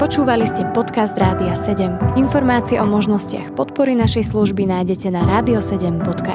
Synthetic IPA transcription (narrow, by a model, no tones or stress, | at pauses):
pɔt͡ʃuːʋaliscɛpɔt̪kazd̪ɾaːd̪iasɛɟɛminfɔɾmaːt͡siɛʔɔmɔʒnɔscɪa̰xpɔt̪pɔɾinaʃɛjsluʒbinaːjɟɛcɛnaɾaːd̪iɔsɛɟɛmbɔt̪ka